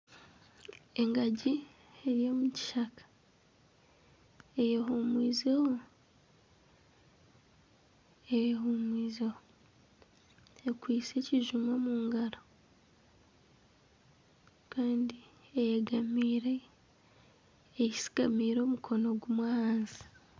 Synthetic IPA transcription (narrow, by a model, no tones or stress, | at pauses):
e̞ŋɡaɟi | eɾijo̞muci̥ʃakḁ | ejeɦuːmwiːzeho | ejehuːmwiːzeho | ekwiːt͡se̞ciʒumamuːŋɡaɾo | kaːndiejeɡamiːɾe̞ | ci̥si̥ɡamiːɾo̞ːmukʰo̞no̞ɡumwahaːnzi̥